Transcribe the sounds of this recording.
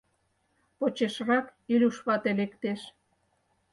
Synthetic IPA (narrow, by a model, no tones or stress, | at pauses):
pot͡ɕeʃrɑkilʲuʃβɑt̪elekt̪eʃ